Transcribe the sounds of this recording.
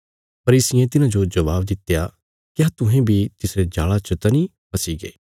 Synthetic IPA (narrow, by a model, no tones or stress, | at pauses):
pɐɾiːsɪjẽt̪ɪnãd͡ʒod͡ʒɐʋaːbd̪ɪt̪ːeja | kɪjat̪ʊ̃ɦẽbʱit̪ɪsɾed͡ʒaːɭat͡ʃɐt̪ɐnĩ | pɐsiɡḛː